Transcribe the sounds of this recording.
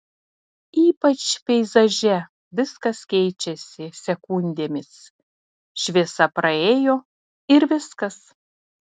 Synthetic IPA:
iːpɐt͡ʃpʲɛɪzɐʒʲɛ | ʋʲɪskɐskʲɛɪt͡ʃʲɛsʲɪsʲɛkʊnʲd̪ʲeːmʲɪs | ʃʲʋʲiɛsɐpɾɐeːjoː | ɪɾʋʲɪskɐs

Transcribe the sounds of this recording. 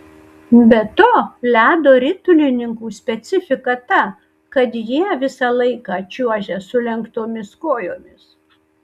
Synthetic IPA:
bʲɛt̪oːlʲæːd̪oːɾʲɪt̪ʊlʲɪnʲɪŋkuːsʲpʲɛt̪sʲɪfʲɪkɐt̪ɐ | kɐt̪jiɛʋʲɪsɑlˠɐɪkɑt͡ʃʲuɔʒʲɛsʊlʲɛŋkt̪oːmʲɪskoːjoːmʲɪs

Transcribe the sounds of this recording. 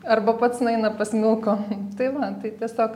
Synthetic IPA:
ɐrbɐpɐt̪snɐɪnɐpɐsʲmʲɪlˠkoːt̪ɐɪʋɐt̪ɐɪt̪ʲiɛsʲoːk

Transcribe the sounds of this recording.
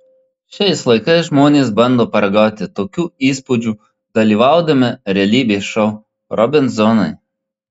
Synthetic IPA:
ʃʲɛɪslˠɐɪkɐɪsʒmoːnʲeːsbɐnd̪oːpɐɾɡɑːt̪ʲɪt̪oːkʲuːiːspʊd͡ʒʲuː | d̪̥ɐlʲiːʋɑˑʊd̪ɐmʲɪɾʲɛlʲiːbʲeːʃɔʊ | ɾɔbʲɪnzɔnɐɪ

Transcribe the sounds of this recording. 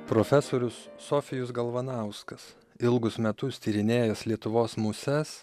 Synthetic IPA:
pɾoːfʲɛsoːɾʲʊsːoːfʲɪjʊsɡɐlˠʋɐnɑˑʊskɐs | ɪlˠɡʊsmʲɛt̪ʊst̪ʲiːɾʲɪnʲeːjɛslʲiɛt̪ʊʋoːsmʊsʲɛs

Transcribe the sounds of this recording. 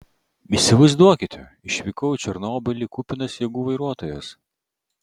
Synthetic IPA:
isʲɪʋɐɪzd̪uɔkʲɪt̪ʲɛ | ɪʃʲʋʲikɔʊt͡ʃʲɛɾnoːbʲɐlʲiˑkupʲɪnɐsjɛɡuːʋɐɪɾuɔt̪oːjɛs

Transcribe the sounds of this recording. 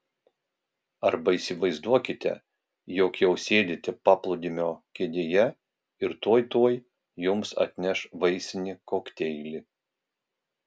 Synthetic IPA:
ɐɾbɐiːsʲɪʋɐɪzd̪uɔkʲɪt̪ʲɛ̰ | joːkjɛʊsʲeːd̪ʲɪt̪ʲɪpɑːplˠʊd̪ʲɪmʲoːkʲeːd̪ʲeːjɛ | ɪɾt̪oːjt̪oɔj | jʊmsɐ̰t̪ʲnʲɛʃʋɐɪsʲɪnʲɪkoːkt̪ʲɛɪlʲɪ

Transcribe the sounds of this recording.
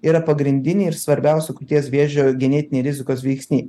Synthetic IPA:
iːɾɐpɐɡɾʲɪnʲd̪ʲɪnʲiːɪɾsʋɐɾʲbʲɛˑʊsʲʊkʊt̪ʲiɛsʋʲeɛʒʲoːɡʲɛnʲɛːt̪ʲɪnʲeːɾʲɪzʲɪkoːsʋʲɛɪksʲnʲiː

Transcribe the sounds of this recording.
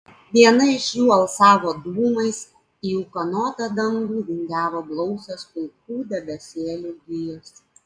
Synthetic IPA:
ʋʲiɛnɐɪʃʲjuːɐlˠsɑːʋoːd̪uːmɐɪs | iːʊkɐnɔːt̪ɐd̪ɐŋɡuːʋ̪ʲɪŋʲɡʲæːʋoːblˠɔʊsʲospʊlˠkuːd̪ʲɛbʲɛsʲeːlʲuːɡʲʋʲɪjʊs

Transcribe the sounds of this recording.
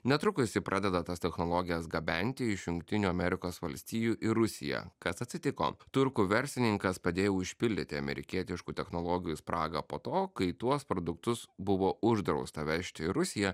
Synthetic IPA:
nʲɛt̪ɾʊkʊsʲɪpɾʔɑːd̪ʲɛd̪ɐt̪ɐst̪ʲɛxnoːlˠoːɡʲɪjɛsɡɐbʲɛnʲt̪ʲɪɪʃjʊŋkt̪ʲɪnʲuːɐmʲɛɾʲɪkoːsʋɐlʲsʲt̪ʲiːjuːʔɪɾʊsʲɪ̰jɛ̰kɐsɐt̪ʲsʲɪt̪ʲɪko̰ːt̪ʊɾkuːʋʲɛɾʲsʲɪnʲɪŋkɐspɐd̪ʲeːjɛʊʃʲpʲɪlʲd̪ʲɪt̪ʲɪɐmʲɛ̰ɾʲɪ̰kʲiɛt̪ʲɪʃkuːt̪ʲɛxnolˠoːɡʲɪjuːspɾʔɑːɡɐpoːt̪oːkɐɪt̪uɔspɾɔd̪ʊkt̪ʊsbʊʋoːʊʒd̪ɾɒʊst̪ɐʋʲɛʃʲt̪ʲɪɾʊsʲɪjɛ

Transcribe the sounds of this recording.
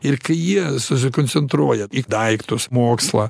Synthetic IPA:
ɪrkɐɪjiɛsʊs̬ʲɪkont̪sʲɛnt̪ɾuɔjɛid̪ɐɪkt̪ʊsmoːkslˠɑː

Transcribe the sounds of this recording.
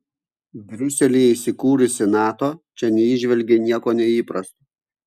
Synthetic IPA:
bʲɾʲʊsʲɛlʲiːisʲɪkuːɾʊsʲɪnɑːt̪oːt͡ʃʲɛnʲɛiʒʲʋʲɛlʲɡʲenʲiɛkoːnʲɛiːpɾɐst̪oː

